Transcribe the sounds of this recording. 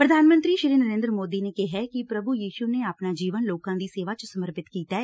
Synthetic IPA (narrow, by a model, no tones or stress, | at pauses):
pɾəd̪ʱaːnmə̃nt̪ɾiːʃɪɾiːnəɾẽːnd̪ɾəmoːd̪inekeɦɛkipɾəbʱujiːʃuneapnaːd͡ʒiːʋənloːkãːd̪iːseːʋaːt͡ʃəsəməɾpɪt̪kiːt̪aːɛ